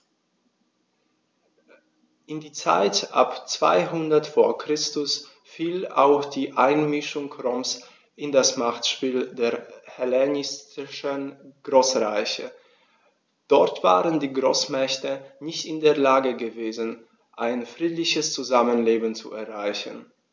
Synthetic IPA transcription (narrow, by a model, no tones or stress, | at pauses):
ʔɪndiːt͡sa̰ɪtʔa̰pt͡sv̥a̰ɪɦʊndɐtfoːɐkʁ̥ɪstʊs | fiːla̰ʊxd̥iːʔaɪnmɪʃʊŋkʰʁɔms | ʔɪndasmaχtʃpiːldeːɐhɛlɛnɪstɪʃənɡ̥ʁoːsʁaɪçə | d̥ɔɐtv̥a̰ːʁəndiːɡʁoːsmɛçtənɪçtɪndeːɐlaːɡəɡəveːzn | ʔaɪnfʁ̥iːtlɪçəst͡suzamənleːbn̩t͡suɛɐʁaɪçən